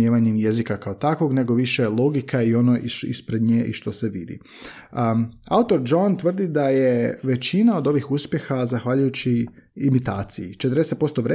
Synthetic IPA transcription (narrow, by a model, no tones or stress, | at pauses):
eʋaɲemje̞zikakaot̪akʋo̞ɡne̞ɡo̞ʋiʃe̞lˠo̞ɡikaio̞noʔiḭspɾe̞d̪ɲeʔḭʃt̪o̞se̞ʋid̪ḭ | a̰ut̪o̞ɾd͡ʒont̪ʋər̩d̪id̪aje̞ʋe̞t͡ɕinao̞d̪o̞ʋixuspje̞xazaxʋaʎujut͡ɕiːmit̪aːt̪sijit͡ʃet̪ɾd̪eset̪po̞st̪o̞ʋɾe